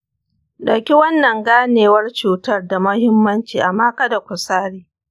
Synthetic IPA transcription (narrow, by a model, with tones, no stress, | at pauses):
ɗɐ˨kʲi˦wɐ˦nːɐ˨ŋɡaː˦neː˨wɐ˦rt͡ʃuː˨tɐ˦rda˨mɐ˦hɪ˦mːɐ˦nt͡ʃiː˨ʔa˨mːaː˦kɐ˦da˨kʷʊ˨saː˦ɽiː˨